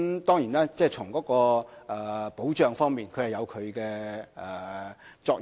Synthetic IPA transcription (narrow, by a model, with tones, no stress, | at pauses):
t̪ɔː˥ŋjiː˨˩naː˥t͡sɛː˥˩t͡sʰʊ˨˩ŋkɔː˨˥kɔː˧ʔɛː˨po˨˥wt͡ʃœː˨ŋfɔː˥ŋmiː˨nkʰɵ˨˧ɥhɐ˨jɐ˨˧wkʰɵ˨˧ɥkɛː˧ʔɛː˨˩t͡sɔː˧k̚